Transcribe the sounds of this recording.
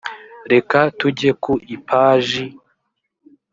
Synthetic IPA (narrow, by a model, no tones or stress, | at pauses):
ɾe̞katuɟe̞kuʔipaːʒi